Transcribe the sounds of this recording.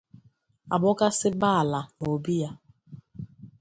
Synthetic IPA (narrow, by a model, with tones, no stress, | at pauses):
a˨bʊ˦ka˦sɪ˦ba˦a˨la˨no˨bi˦ja˦